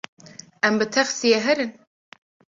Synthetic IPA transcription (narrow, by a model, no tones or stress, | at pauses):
ɛmbɨt̪ʰɛχsijɛɦɛɾɨn